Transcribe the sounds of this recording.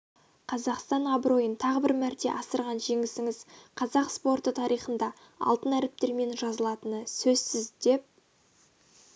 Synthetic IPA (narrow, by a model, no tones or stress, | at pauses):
qʰɑzɑqst̪ɑnɑbɾo̞jənt̪ʰɑʁəbɪɾmæɾt̪e̞̰ʔɑsəɾʁɑnʒe̞ŋɪsɪŋɪzqʰɑzɑqspo̞rt̪ət̪ʰɑɾʔijχənd̪ɑ | ɑ̰lˠt̪ənæɾɪp̚t̪e̞ɾme̞nʒɑzəlˠɑt̪ənəsɵzsɪzd̪e̞p̚